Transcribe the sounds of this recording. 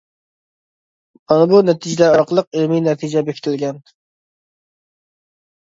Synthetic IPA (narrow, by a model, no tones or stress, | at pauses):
mɑnɨbunɛt̪ʰid͡ʒilæɾɑɾqəlˠəq̚elminɛt̪ʰid͡ʒɛbekʲʰi̥t̪ʰɪlɡʲɛn